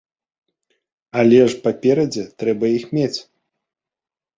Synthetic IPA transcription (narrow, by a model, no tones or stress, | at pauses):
alʲɛʂpapʲɛɾɐd͡zʲɛt̪ɾɛbɐjixmʲet͡sʲ